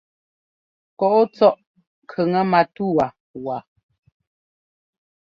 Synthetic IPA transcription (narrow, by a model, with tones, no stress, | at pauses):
kɔ˨ʔo˦t͡sɔ˦ʔ | kʰə˨ŋə˦ma˨tu˦˨wa˨ | wa˨